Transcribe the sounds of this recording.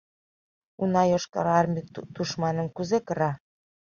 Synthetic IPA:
unɑjoʃkɑ̰ɾɑrmʲit̪uʃmɑnə̆mkuzekɤ̆ɾɑ

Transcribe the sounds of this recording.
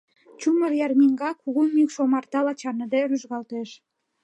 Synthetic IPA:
t͡ɕumərjɑrmiŋɡɑkuɣumykʃomɑrt̪ɑlɑt͡ɕɑnəd̪eɾyʒɣɑlt̪eʃ

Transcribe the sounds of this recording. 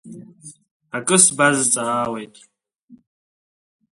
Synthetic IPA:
akʼɨsbazt͡sʼaaːwejtʼ

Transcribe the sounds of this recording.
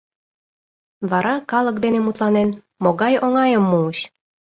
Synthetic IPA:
βɑɾɑkɑlɤk̚d̪enemut̪lɑnen | moɣɑjoŋɑjəmːuuɕ

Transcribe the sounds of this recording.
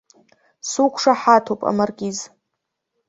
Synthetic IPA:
sukʷʰʂaħatʰopʼa̰marɡʲiz

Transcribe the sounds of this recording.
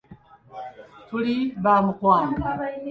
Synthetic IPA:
tuliβamukwaːŋɡa

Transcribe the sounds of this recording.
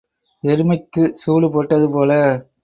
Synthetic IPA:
ɛɾɯmɐɪkːɯsuːlɯpoːʈːɐðɯpoːlɐ

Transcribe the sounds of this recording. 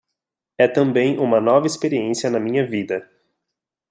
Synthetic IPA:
ɛt̪ɐ̃mbẽj̃ʔũmɐnɔvɐespeɾiẽsiɐnɐmĩɲɐvid̪ɐ

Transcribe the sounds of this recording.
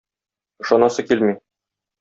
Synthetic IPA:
ɤ̆ʃɒnɑsɤkilmi

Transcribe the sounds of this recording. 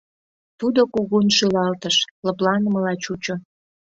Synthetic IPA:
t̪ud̪okuɣunʃylɑlt̪əʃləplɑnəməlɑt͡ɕut͡ɕo

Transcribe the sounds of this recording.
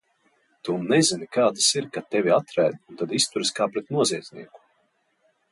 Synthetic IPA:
t̪unɛzinikaːd̪asiɾkat̪ɛvʲiat̪ɾæːd̪unt̪ad̪ist̪uɾɨskaːpɾɛt̪nuɔziɛd̪zʲnḭɛku̥

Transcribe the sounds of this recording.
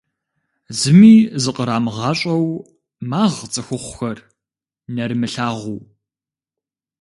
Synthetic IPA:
zɨmiːzɨqʼəɾaːmɨʁɑːɕʼɐw | maːʁt͡sʼɨxʷʊχʷʊxɐr | nɐɾɨmɨɬaːʁʷuː

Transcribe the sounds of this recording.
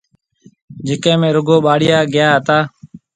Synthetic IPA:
d͡ʒɪkẽːmẽːɾʊɡoːɓaːɽɪjaːɡɪjaːɦət̪aː

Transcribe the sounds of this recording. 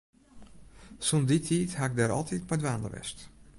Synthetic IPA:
sɔnditʰiːthaɪɡ̚daːɾɑ̰lˠtʰiːtmadʋaːndə̰ʋɛ̰st

